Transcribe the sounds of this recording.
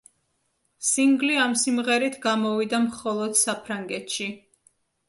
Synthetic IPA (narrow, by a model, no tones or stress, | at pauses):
siŋɡliamsimʁɛɾit̪ʰɡamɔvid̪amχɔlˠɔd̪̥sapʰɾaŋɡɛt̪ʃi